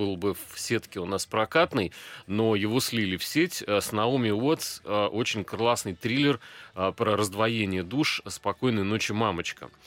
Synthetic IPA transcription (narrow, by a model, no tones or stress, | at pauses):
ɨlˠbɨfsʲe̞t̪kʲɪʊnaspɾɐkat̪nɨjno̞jɪvo̞sʲlʲilʲɪfsʲetʲəsnɐumʲɪo̞t̪sʔo̞t͡ɕɪnʲkllˠasnɨjt̪ɾʲilʲɪrpɾəɾəzd̪vɐjenʲɪjəd̪uʂspɐko̞jnɨjnot͡ɕɪmamət͡ɕkə̰